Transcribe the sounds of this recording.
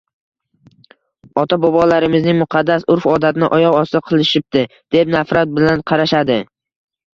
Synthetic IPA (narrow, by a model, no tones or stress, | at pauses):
ɒt̪ʰabɒbɒlaɾɪmɪznɪŋmʊqʰɑd̪ːasʊɾfɒd̪at̪ɪnɪʔɒjɒʁɒst̪ɨqʰɨlˠɪʃɪp̚t̪ɪ | d̪̥e̞pnafɾat̪̚bɪlanqʰɑɾaʃad̪ɪ